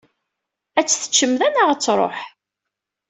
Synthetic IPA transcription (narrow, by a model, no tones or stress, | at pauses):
æt͡sːθə̥t͡ʃːəmðænaʁæt͡sːɾˤo̰ħ